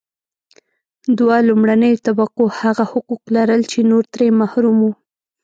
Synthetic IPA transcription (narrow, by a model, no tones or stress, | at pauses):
d̪walumɽanəjot̪abaqohaɣahʊquqlaɾəlt͡ʃenoɾt̪ɾemahɾumu